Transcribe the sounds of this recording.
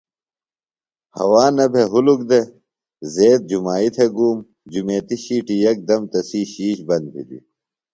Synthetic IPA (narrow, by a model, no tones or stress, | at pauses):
hɐ̰waːnɐbʱeɦuluk̚d̪e | zeːt̪̚d͡ʑumaːit̪ʰeɡuːm | d͡ʑumeːt̪iɕiːʈijɐk̚d̪ɐmt̪ɐsiːɕiːɕbɐnd̪̚bʰʱḭd̪ḭ